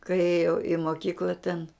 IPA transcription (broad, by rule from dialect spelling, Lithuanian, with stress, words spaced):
kɐɪ ˈeːjɛʊ ɪ moːˈkʲiːklˠɐ tʲɛn